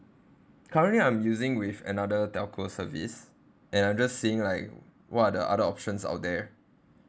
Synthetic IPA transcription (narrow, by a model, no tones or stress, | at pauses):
kʰaɹə̃nliãɪ̃mjuzɪ̃ŋwifə̰nadətɛlkʰosəvḭs | ʔɛ̃nãjmd͡ʒasːiɪ̃ŋlaɪk | wɔtadəʔa̰dəɔpʃə̃nsa̰ʊt̚dɛ